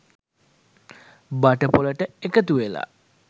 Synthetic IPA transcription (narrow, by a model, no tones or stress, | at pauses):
baʈəpoləʈəekət̪uʋela̰